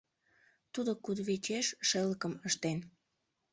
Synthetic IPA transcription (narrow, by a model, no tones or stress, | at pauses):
t̪ud̪okud̪βit͡ɕeʃʃeləkəməʃt̪en